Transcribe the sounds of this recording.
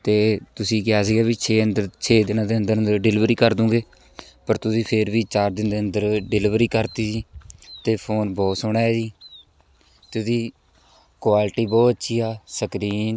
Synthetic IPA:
t̪eːt̪ʊsĩːkɪjaːsiːɡaːbiːt͡ʃʰeːənd̪əɾt͡ʃʰeːd̪ɪnãːd̪eːənd̪əɾənd̪əɾɖɪlɪʋɾiːkəɾd̪ũːɡeː | pəɾt̪ʊsĩːpʰɪɾbiːt͡ʃaːɾd̪ɪnd̪eːənd̪əɾɖɪlɪʋɾiːkəɾt̪iːsiːt̪eːpʰoːnbɔːt̪sʊɳaːesiː | t̪esiː | kwaːlʈiːbɔːt̪ətːʃʰiːaːsəkɾiːn

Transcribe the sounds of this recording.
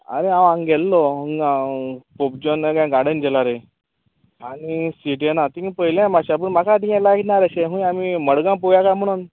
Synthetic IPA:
a̰ɾeãʋãŋɡɛlːɔəŋɡakop̚d͡ʑɔneɡãɡaɽənɡɛlaɾe | aɽ̃isiʈenat̪ĩipəɦjlãmaɕap̬əɳm̤akad̪iɛ̃laɡiʈnaɾaɕeɦũjamiməɽɡãpojakam̤əɽ̃uːn

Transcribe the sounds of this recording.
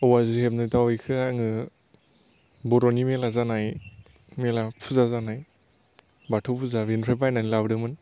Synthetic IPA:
ɯwazihebnɯtawɔjkʰɯaŋɯ | bɔɾɔnimelazanaj | melapʰuzazanaj | batʰopʰuzavenɾebajnanilabdɯmɯn

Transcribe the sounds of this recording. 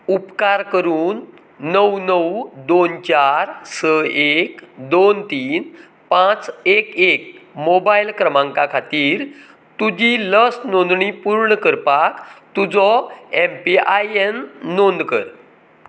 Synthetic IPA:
upkaɾkəɾuːnː | əwnəwd̪ont͡ɕaɾsəekd̪ont̪iːn | pãt͡sekek̚mobajlkɾəmãŋkakʰat̪iːɾ | t̪ud͡ʑiləsnond̪ɳipuɾɳəkəɾpakt̪ud͡zɔempiajenːond̪kə̰ɾ

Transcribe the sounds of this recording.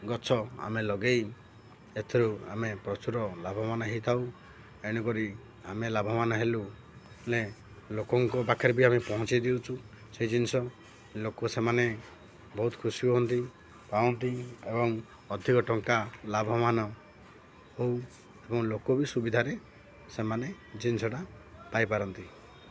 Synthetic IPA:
ɡɔt͡ʃʰɔa̰melɔɡej | et̪ʰiɾua̰mepɾɔt͡ʃuɾɔlabʱɔmanɔɦit̪ʰaw | eɽ̃ɔkɔɾi | amelabʱɔmanɔɦelu | le | lokɔŋkɔbakʰeɾbiamepɔɦɔ̃t͡ʃid̪iwt͡ʃʰu | seɦid͡ʒinisɔ | lokosemane | bɔɦut̪kʰusiɔɦɔnt̪i | paɔnt̪iebɔŋ | ɔd̪ʱikɔʈɔŋkalabʱɔmanɔ | how | ebɔŋlokobisubid̪ʱaɾe | semane | d͡ʒinsɔʈa | pajpaɾɔnt̪i

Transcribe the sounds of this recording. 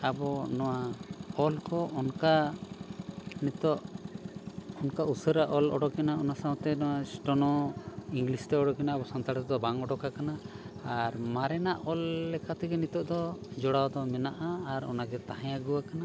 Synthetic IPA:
abɔnɔwaɔlkɔʔɔnka | nit̪ɔʔ | ɔnkausəɾaʔɔlɔ̰ɽɔkɛnaɔnasaw̃t̪ɛnɔwasʈɔnɔiŋɡlist̪ɛɔɽɔkɛnaːbɔsant̪aɽt̪d̪ɔbaŋɔɖɔkakanaː | ɾmaɾɛnaʔɔlːɛkʰat̪ɛɡɛnit̪ɔʔd̪ɔd͡ʒɔɽawd̪ɔmɛnaʔaːɾɔ̰naɡɛt̪aɦajaɡuwakana

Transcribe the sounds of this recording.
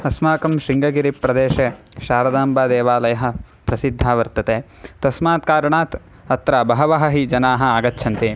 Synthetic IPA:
ɐsmaːkɐmʃɾiŋɡɐɡiɾipɾɐd̪eːʃeː | ʃaːɾɐd̪aːmbaːd̪eːʋaːlɐjɐɦɐ̆ | pɾɐsid̪ʱːaːʋɐɾt̪ɐt̪eː | t̪ɐsmaːt̪kaːɾɐɳaːt̪ | ɐt̪ɾaːbɐɦɐʋɐɦɐɦid͡ʒɐnaːɦɐ̆aːɡɐtːʃʰɐnt̪i

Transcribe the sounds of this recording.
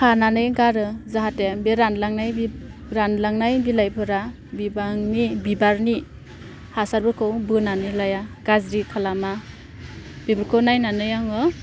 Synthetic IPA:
kʰananɯjɡaɾɯzaɦatebeɾanlaŋnajɾanlaŋnajbilajpʰɯɾa | bibaŋnibibaɾni | hasaɾbɯkʰɯwbɯnanɯjlajaɡ̥azɾikʰalama | bibɯɾkʰɯwnajnanɯjaŋɯ

